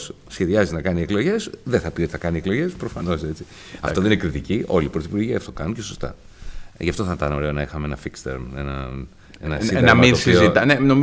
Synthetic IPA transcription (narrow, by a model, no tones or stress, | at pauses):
s | sçe̞ðiɐzinɐkɐnieklo̞ʝe̞sðeθɐpiet̪ɐkɐnieklo̞ʝe̞spɾo̞fɐno̞se̞t͡si̥ | ɐ̰t̪oðeinekɾit̪icio̞liːpɾo̞θipuɾʝiɐft̪o̞kɐnunceso̞st̪ɐ̰ʝɐft̪o̞θɐnt̪ɐno̞ɾe̞o̞nɐixɐmeenɐfikst̪ḛɾmḛnɐ̰ | enɐiɐɐminospiozit̪ɐnenom